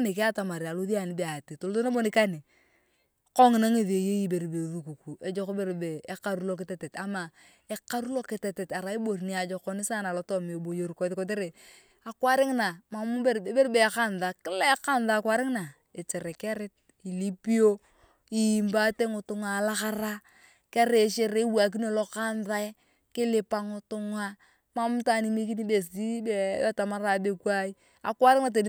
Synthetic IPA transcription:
ni˨k̬i˦a˦ta˨ma˨ɾi˨a˨lo˦ði˦a˨ni˨˦be˦˨a˨ti˨to˨lto˦na˦bo˦ni˦ka˦ni˨ | ko˦ŋ˨na˦ŋe˦˨ðe˨je˦ji˦be˨ɾbe˨ðu˦ku˨ku˨e˨˦d͡ʒo˦ko˦be˦ɾbe˨e˦ka˨ɾu˦lo˦k̬i˦te˨te˨ta˨ma˨ | e˦ka˦ɾu˦lo˦ke˨te˨te˨ta˨ɾa˨i˦bo˨ɾni˦a˨d͡ʒo˨ko˦ni˦sa˦na˨lo˨˦to˦me˨bo˨jo˦ɾko˨˦ðko˦t̬e˦ɾe˨ | a˨kwa˦ɾɪ˦ŋna˨ma˨mu˦be˦ɾe˦be˦ɾbe˨ka˦nða˨kɪ˦le˦ka˦nða˦˨kwa˦ɾɪ˦ŋna˨ | e˨t͡ʃe˨ɾe˨ke˦ɾɪ˦t̚ | i˨li˦pi˦o˦ | i˨mba˦te˦ŋʊ˨tʊ˦ŋa˨la˦ka˦ɾa˦ | ke˦ɾe˦˨ʃe˦ɾe˦wa˨k̬i˦n˦o˦˨lo˦ka˦nda˦ | kɪ˦lɪ˦pa˨ŋʊ˨tʊ˦ŋa˦ | ma˦m˦ta˦˨ni˨˦me˦k̬i˦ni˦be˨si˦be˦ba˦ta˨ma˦ɾa˨be˦˨kwa˦i˦ | a˨kwa˦ɾɪ˦ŋa˨t̬e˨n

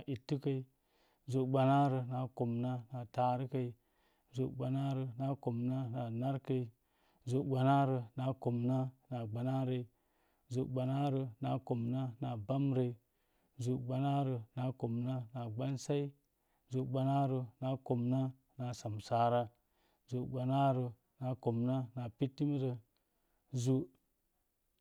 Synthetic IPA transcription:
ʔi˨tːi˦ka˨i˨ | zu˨ɡ͡ba˨na˦ɾə˨na˨ko˨mna˦na˨ta˨ɾi˦ka˨i˨ | zu˨ɡ͡ba˨na˦ɾə˨na˦ko˨mna˦na˨na˦ɾka˨i˨ | zu˨ɡ͡ba˨na˦ɾə˨na˨ko˨mna˦na˨ɡ͡ba˨na˦ɾə˨i˨ | zu˨ɡ͡ba˨na˦ɾə˨na˨ko˨mna˦na˨ba˦mɾə˨i˨ | zu˨ɡ͡ba˨na˦ɾə˨na˨ko˨mna˦na˨ɡ͡ba˦nsa˦i˦ | zu˨ɡ͡ba˨na˦ɾə˨na˨ko˨mna˦ | na˨sa˨msa˦ɾa˦ | zu˨ɡ͡ba˨na˦ɾə˨ | na˨ko˨mna˦na˨pi˦tːi˦mɾə˨ | zu˨

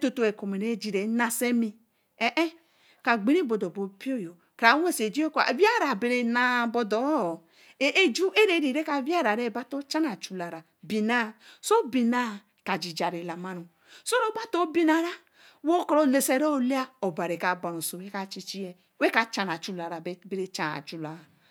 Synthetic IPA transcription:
to˨to˨e˨ko˨me˨ɾe˦d͡ʒi˨ɾe˨˦na˨se˦mi˦ | e˨ʔe˦ | ka˨ɡ͡bi˦ɾi˦bo˨do˨bo˨pi˦o˦˨jo˨ | kɾa˨˦we˦˨se˨d͡ʒi˦o˦ka̰˨vi˦a˦ɾa˨be˨ɾe˨na˦˨bo˨do˨˦˨ | e˦e˦d͡ʒu˦e˦ɾe˦ɾi˨ɾe˦ka˨vi˦a˦ɾa˨ɾe˦˨˦ba˦to˦t͡ʃa˦na˨t͡ʃu˨la˨ɾa˨ | bi˨na˦so˦bi˨na˦˨ | ka˨d͡ʒi˨d͡ʒa˨ɾi˨la˨ma˦nu˨ | so˦ɾo˦ba˦to˦bi˦na˨ɾa˦ | wo˦kɾo˨le˨se˨ɾo˦˨˦le˦a˦o˨ba˨ɾe˨ka˨ba˨no˨so˨we˦ka˦˨t͡ʃi˦t͡ʃi˦e˦˨ | we˦ka˨t͡ʃa˨n˨a˨t͡ʃu˨la˨ɾa˨˦be˨ɾe˨t͡ʃa˨na̰˨t͡ʃu˨la˨a˨

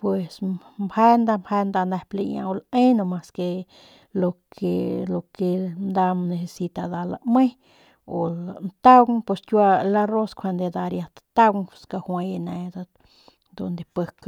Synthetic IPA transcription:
pwe˨smhe˦nd̪a˧mbhe˧nd̪a˧ne˧ple˧ɲã̰˧o˧le˦no˧ma˧ske˧ | lo˧kʰe˧lo˨ke˧nd̪a˧mne˧se˧si˧t̪a˧d̪a˧la̰˧me˦ | o˨ant̪a˦wŋpe˧stʲwa˧la˧ro˦skʷʰa˧nd̪e˧d̪a˧ɾja˧t̪t̪a˦wska˧hwa˧ja˧ne˧d̪a˧ | d̪o˧nd̪e˧pə˧k

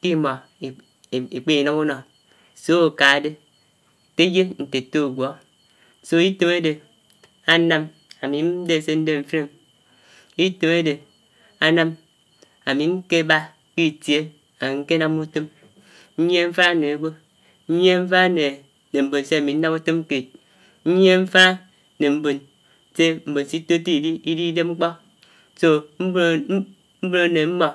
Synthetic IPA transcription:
ki˦mɔ˨ | e˨k͡pi˦i˨nɔ˦mu˦nɔ˨ | so˦o˨ka˨˦de˦˨ | te˦je˦n̩˨te˨to˦˨ɡʷɔ˨˦ | so˦i˦te˦me˦de˨ | a˦na˦m | a˨mi˨n̩˦de˦˨se˦n̩˦de˦ɱ̩˨fe˦˨m | i˦te˨me˦de˨ | a˨na˦m | a˨mi˨ŋ̩˦ke˦ba˦ | k͡pi˦˨tje˦ | a˨i˨ŋ̩˦ke˦na˦mu˦to˦m | n̩˦ɲ˦e˦ɱ̩˦fa˦˨ne˨e˦ɡʷo˦ | n̩˦ɲ˦e˦ɱ̩˦fa˦ne˨ | ne˨m̩˨bo˨nse˦a˨mi˨n̩˦na˦mu˦to˦m˦ke˨t̚ | n̩˦ɲ˦e˦ɱ̩˦fa˦ | ne˨m̩˦bo˨n | se˦m̩˨bo˨n̩˨si˦to˦ti˦i˨di˦i˦di˦de˦p̚ŋ͡m̩˦k͡pɔ˦ | so˦ | m̩˦bo˦ne˨m̩˦mɔ˨

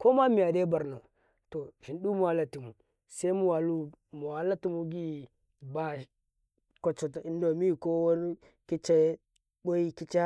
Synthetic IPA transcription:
ko˦ma˦mi˨ja˨de˦ba˨ɾna˨ | to˨ʒi˨ndu˦mu˨a˨la˨ti˨mu˨ | se˦i˦mu˨wa˨lu˦ | mu˨wa˨la˦ti˦mu˦ɡi˦ | ba˦ | ko˨t͡ʃo˨ti˦n˦do˨mi˦˨ko˦wo˦n˦ | ki˦t͡ʃe˦ | bo˦i˦ki˦t͡ʃe˦

